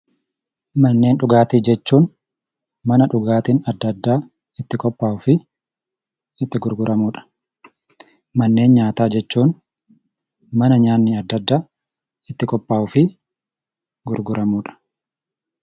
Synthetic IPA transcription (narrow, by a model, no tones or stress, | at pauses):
mɐnːe̞ːnᶑʊɡaːt̪iːd͡ʒɛt͡ʃːuːn | mɐnɐᶑʊɡaːt̪iːnɐd̪ːɐd̪ːaː | ɪt̪ːɪkʼɔpːaːʔʊfɪ | ɪt̪ːɪɡʊɾɡʊɾɐmuːᶑɐ̥ | mɐnːe̞ːnɲaːt̪aːd͡ʒɛt͡ʃːuːn | mɐnɐɲaːnːɪɐd̪ːɐd̪ːaː | ɪt̪ːɪkʼɔpːaːʔʊfɪ | ɡʊɾɡʊɾɐmuːᶑɐ̥